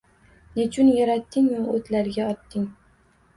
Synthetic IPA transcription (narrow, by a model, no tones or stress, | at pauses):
net͡ʃʰʊnjaɾat̪ːɪŋmaɵt̪laɾɡʲaɒt̪ːɪŋ